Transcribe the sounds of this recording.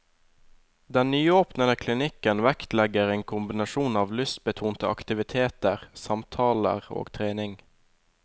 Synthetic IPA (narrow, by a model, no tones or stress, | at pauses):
d̪ɛnnyːoːpnəd̪əkʰlɪnɪkənʋækt̪lɛɡəʁeːŋkʰʊmbɪnɑʃuːnɑːʋlʏst̪̚bət̪ʰuːnt̪əɑ̰kt̪ɪʋɪt̪ʰeːt̪əʁsɑmt̪ʰɑːlə̰ʁo̰ːɡt̪ʰʁeːnɪŋ